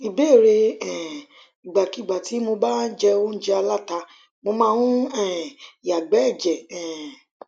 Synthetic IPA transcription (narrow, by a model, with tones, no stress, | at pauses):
i˨be˦˨ɾe˧ɛ̃˨ | i˨ɡ͡ba˨ki˨˦˨ɡ͡ba˨ti˨˦mo˧ba˦d͡ʒɛ˧o˦n̩˦d͡ʒɛ˧˦a˧la˦˨ta˧ | mo˧mãː˦˧wũ˦ɛ˦˨ja˨ɡ͡bɛ˨˦ɛ˦˨d͡ʒɛ˨ɛ̃˨